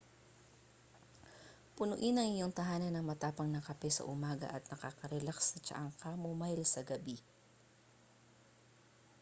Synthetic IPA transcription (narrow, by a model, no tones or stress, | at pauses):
pʊnʊʔɪnɐŋɪjoŋt̪ɐɦaːnɐnɐŋmɐt̪aːpɐŋnɐkɐpɛsɐ̰ʔʊmaːɡɐ̰ʔɐt̪̚nɐkakɐɾɛlaksɐt͡ʃɐ̰ʔaŋkɐmʊmajlsɐɡɐbi